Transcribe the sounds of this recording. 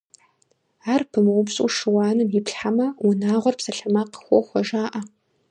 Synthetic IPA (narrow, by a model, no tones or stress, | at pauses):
aːrpʰɨmɨʁʷʊpsʼuʂɨwɑːnɨmjɪpɬħamɐʊnaːʁʷɔrpsɐɬɐmaːqə̥xʷɔxʷɔʒaːʔɐ